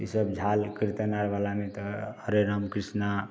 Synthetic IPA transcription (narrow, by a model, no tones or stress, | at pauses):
isəbd͡ʒʱalkiɾt̪ənaɾʋalamet̪ɔəɾeɾəmkɾisna